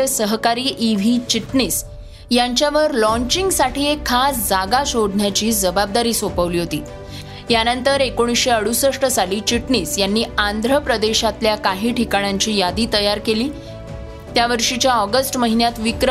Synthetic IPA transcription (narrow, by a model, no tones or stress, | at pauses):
səɦkaɾiːʔiʋ̤iːt͡ɕiʈniːs | jaɲt͡ɕjaʋəɾlɔ̃ɲt͡ɕiŋɡsaʈʰiːekʰːasd͡zaɡaɕoɽɳjat͡ɕiːd͡zəbab̚d̪aɾiːsopəʋliːɦot̪ḭː | janənt̪əɾekoɽ̃isɕeəɽusəʂʈəsaliːt͡ɕiʈɳiːsjanːiːand̪ɾəpɾəd̪eɕat̪ljakaɦiːʈʰikaɳ̃jaɲt͡ɕiːjad̪iːt̪əjaɾkeliː | t̪jaʋəɾʂit͡ɕjaɔɡəsʈməɦinjat̪ʋikɾ